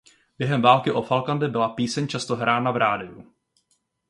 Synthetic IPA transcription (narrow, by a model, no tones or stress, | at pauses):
b̥jɛɦɛmvaːlkɪʔo̞falkandɛbɪlapiːsɛɲt͡ʃast̪o̞ɦɾaːnavɾaːdɪjṵ